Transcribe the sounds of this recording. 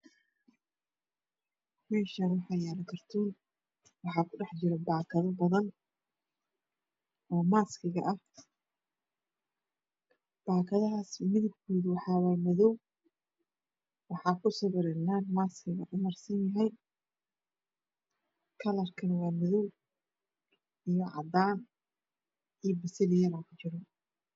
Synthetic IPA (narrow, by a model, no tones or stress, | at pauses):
mɛːʃɐnwɑħɑjaːlɐkʰɐrt̪ʰuːn | wɑħɑːkʰʊɖɛħt͡ʃɪɾɛbaːkʰɐðɐbɐðɐn | ɔːmaːskʰɪɣɐʔɐh | b̥aːkʰɐðɐɦaːsmɪðɪb̚kʰɔːðʊwɑħɑːwaːmɔðɔw | wɑħɑːkʰʊsɐβɪɾɛnaːnmaːskʰɪɣɐʔʊmɐrsɐnjɐɦɛj | kʰɐlɐrkʰɐnwɑːmɔðɔw | ijɔʕɑ̰d̪aːn | ijɔbɪsɐlɪjɐɾaːkʰʊt͡ʃɪɾɔ